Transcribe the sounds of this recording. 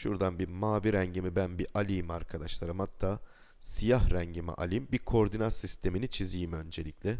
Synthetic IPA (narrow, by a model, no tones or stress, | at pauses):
ʃṵɾd̪anbimaːviɾæɲɟimibænbiʔalʲijimaɾkʰad̪aʃlˠaɾɯmhat̪ʰːaː | sijahɾɛɲɟimḭʔa̰lʲimbikʰoɾd̪inasːist̪ʰe̞minit͡ʃʰizijimø̞nd͡ʒe̞lʲiclʲɛ